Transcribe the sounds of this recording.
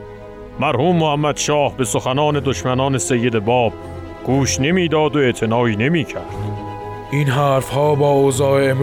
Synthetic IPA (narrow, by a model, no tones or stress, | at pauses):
mæɾhuːmːohæmːæd̪ʃɒːhbe̞soxænɒːne̞d̪oʃmænɒːne̞se̞jːe̞d̪ebɒːb̥̚ | ɡ̥uːʃne̞miːd̪ɒːd̪oeʔt̪ʰenɒːiːne̞miːcʰæɾd̪̥ | ʔinɦæːɾfhɒːbɒːozɒːeem